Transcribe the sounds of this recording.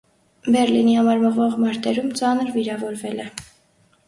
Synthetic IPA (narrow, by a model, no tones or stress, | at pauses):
bɛɾlinihɑmɑɾməʁvɔʁmɑɾt̪ɛɾumt͡sɑnəɾviɾɑvɔɾvɛlɛ